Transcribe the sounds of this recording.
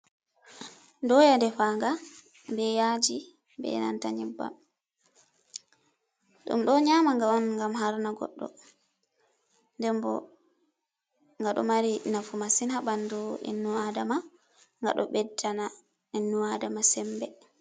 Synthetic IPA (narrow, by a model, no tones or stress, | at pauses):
dɔjadɛfaːŋɡa | bɛjad͡ʒi | bɛ̰na̰ntaɲibːa̰m | ɗṵmɗɔɲamaŋɡaɔnŋɡamhaɾnaɡɔ̰ɗːɔ̰ | ndɛmbɔ̰ | ŋɡaɗɔ̰maɾinafumasinhabanduḭnːuadama | ŋɡa̰ɗɔ̰ɓɛdːana | inːuadamasɛmbɛ